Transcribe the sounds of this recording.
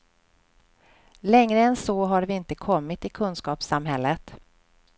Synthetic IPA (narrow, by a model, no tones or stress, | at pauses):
lɛŋɾəɛnsɔːɦaɾvɪɪnt̪əkʰɔmːɪt̪ɪkʰɵnskɑːpsamɦɛlːət̪